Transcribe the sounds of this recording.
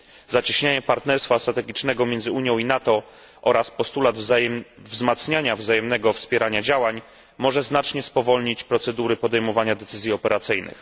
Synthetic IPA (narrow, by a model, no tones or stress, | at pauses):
zat͡ɕiɕɲaɲɛpaɾt̪nɛɾst̪fast̪ɾat̪ɛɡʲit͡ʂnɛɡɔmʲjɛnd̪zɘuɲjɔ̃w̃inat̪ɔ | ʔɔɾaspɔst̪ulad̪vzmat̪sɲaɲavzajɛmnɛɡɔfspʲjɛɾʔaɲad͡ʑawaɲ | mɔʐɛznat͡ʂɲɛspɔvɔlɲit͡ɕpɾɔt̪sɛd̪uɾɘpɔd̪ɛjmɔvaɲad̪ɛt̪sɘzʲjiɔpɛɾat̪sɘjnɘ̰x